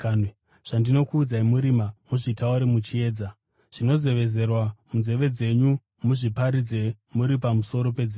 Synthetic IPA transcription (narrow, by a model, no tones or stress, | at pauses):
ʐ̥andino̞kuːd͡zaimuɾimamuʐitauɾemut͡ʃie̞ːd͡za | ʐ̥ino̞ze̞ʋe̞ze̞rwamunze̞ʋe̞d͡ze̞ɲu | muʐipaɾid͡ze̞ | muɾipamuso̞ɾo̞pe̞d͡zi